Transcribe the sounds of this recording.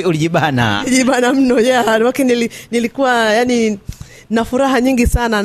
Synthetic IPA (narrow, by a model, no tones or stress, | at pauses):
uliʄiɓana̰iʄiɓanam̩nɔjawakɛnilinilikuwajani | nafuɾaɦaɲiŋɡisana